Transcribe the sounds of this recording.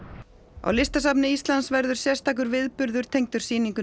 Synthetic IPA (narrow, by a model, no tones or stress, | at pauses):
a̰wlɪst̪as̬apnɪist̪lansvɛɾðʏɾ̥sjɛ̥st̪aːk̬ʏɾvɪðpʏɾðʏɾ̥t̪ʰejŋt̪ʏ̥siːniŋkʏ